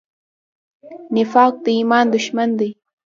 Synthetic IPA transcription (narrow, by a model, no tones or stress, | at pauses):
nɪfaːk̚t̪aɪmaːnd̪ʊʃmand̪aj